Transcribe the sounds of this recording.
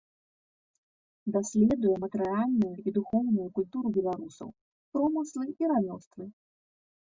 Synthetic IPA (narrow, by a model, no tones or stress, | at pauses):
d̪asʲlʲɛd̪ujɛmɐt̪ɛɾɨalʲnujuid̪uxɔwnujukulʲt̪uɾubʲɛlˠaɾusɐ̰w | pɾɔmɨslˠɨiɾamʲɔst̪vɨ